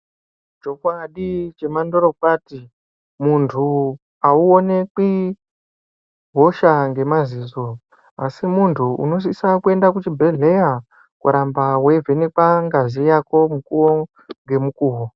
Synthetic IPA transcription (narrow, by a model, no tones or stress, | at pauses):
d͡ʒo̞kwaɗit͡ʃe̞mandoɾokwati | muntʰu | auone̞ki | ɦo̞ʃaŋɡe̞maziːzo̞ | asimuntʰuṵno̞s̬isakue̞ndakut͡ʃibʱe̞ɮe̞ja | kṵɾambawe̞vʱe̞nekaŋɡazijako̞mukuwo | ŋɡe̞mukuːwo